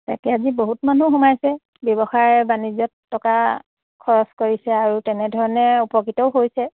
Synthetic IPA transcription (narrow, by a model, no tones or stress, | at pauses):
ta̰kɛaziboɦutmanuxumajsɛ | bjɔbɔxaɹbanizɔtːɔka | kʰɔɹɔskoɹisɛaɹutɛnɛdʱɔɹɔnɛupɔkitɔʊɦojsɛ